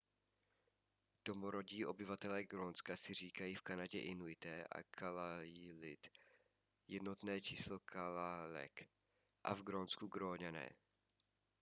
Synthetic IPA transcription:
d̥o̞moɾo̞ɟiːʔo̞bɪvat̪ɛlɛːɡɾonskasɪr̝iːkajiːfkanaɟɛʔɪnuɪt̪ɛːʔa̰kʰalailɪt̪ | jɛdno̞t̪nɛːt͡ʃiːslo̞kʰalalɛ̰k | ʔa̰vɡɾonskuɡɾoːɲanɛ̰ː

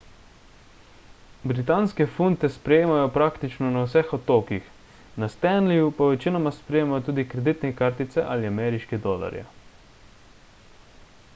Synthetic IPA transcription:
bɾit̪anskɛfunt̪ɛspɾɛjeːmajɔpɾaːkt̪it͡ʃnɔnawsɛxɔt̪oːkix | nast̪ɛnlijupaʋɛt͡ʃinɔmaspɾɛjeːmajɔt̪uːd̪ikɾɛd̪it̪nɛkaɾt̪it̪sɛʔaliamɛːɾiʃkid̪ɔla̰ɾja̰

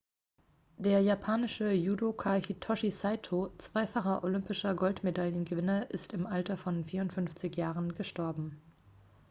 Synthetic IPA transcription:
d̥eːɐjapʰaːnɪʃəjuːdokʰaçitʰɔʃisaɪtʰot͡sv̥aɪfaχɐʔolʏmpɪʃɐɡɔltmedaljənɡəvɪnɐʔɪstɪmʔaltɐfɔnfiːɐʊntfʏnft͡sɪçjaːʁənɡəʃtɔɐbm̩

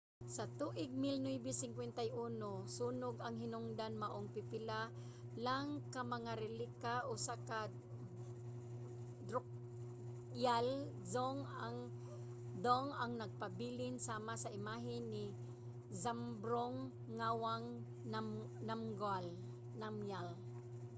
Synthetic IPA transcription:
sɐt̪uːʔɪɡ̚mɪlnujbɪsɪŋkwɛnt̪ajʔuːnosuːnʊɡɐŋɦɪnʊŋd̪anmɐʔoŋpɪpɪla | laŋkamɐŋaɾɛlikaʔosaka | d̪ɾʊk̚ | jal | zoŋaŋ | d̪oŋaŋnɐɡ̚pɐbiːlɪnsaːmasɐʔɪmaːɦɪnːɪ | zambɾoŋː | awaŋ | am | namɡal | namjal

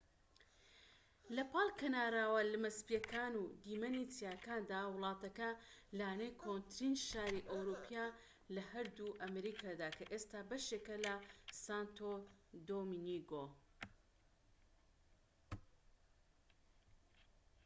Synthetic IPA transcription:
lɐpɑlˠkʰɐnaːɾaːwɐlɨmɐspjɐkaːnuːd̪iːmɐnit͡sijaːkaːnd̪aːwʊlˠɑːt̪ɐkɐlaːnekʰont̪ɾinʃaːɾiʔowɾupʰjaː | lɐhɐɾd̪uʔɐmɾiːkʰaːd̪aːkʰɐʔeːst̪aːbɐʃeːkɐlɐsant̪ʰod̪ominiɡo

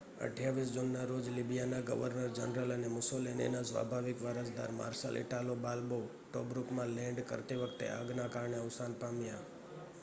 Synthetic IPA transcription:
ə̰ʈjaʋis̬d͡ʒunːaɾod͡ʒlibijanaɡə̰ʋəɾnəɾd͡ʒənɾələnemʊsolinḛnasʋa̰bʱaʋɪkʋəɾəsd̪a̰ɾma̰ɾʃə̰lʔɪ̰ʈalobalbo | ʈobɾukmãlɛ̃ɳɖkə̰ɾt̪eʋəkʰt̪ḛə̰ɡnakaɾɳeəʊsanpamja

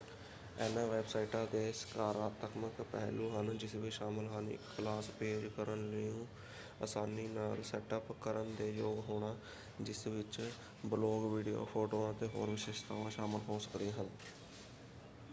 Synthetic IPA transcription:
ɛːnãːʋeːbsaːiʈãːd̪eːskaːɾaːt̪əkməkpɛ̰ːluːɦənd͡ʒɪsʋɪʃaːmɪlɦənɪ̰kʰːlaːspeːd͡ʒkəɾənləũː | asaːniːnaːlsɛːʈəpkəɾənd̪eːjoːɡɦoːɳaː | d͡ʒɪsʋɪt͡ʃ | bloːɡʋiːɖijo̰ːpʰoːʈoːãːt̪eːɦo̰ːɾʋɪʃeːʃt̪ʰa̰ːʋãːʃaːmɪlɦoːsə̥kd̪ãːɦən

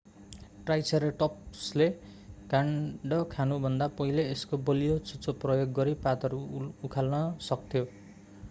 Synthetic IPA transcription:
ʈrajsʌɾeʈʌpsle | kaɳɖʌkʰanubʱʌnd̪apʌɦileeskobʌlijot͡sut͡soprʌjoɡːʌɾipat̪ʌɾuːkʰalnʌsʌkt̪ʰjo

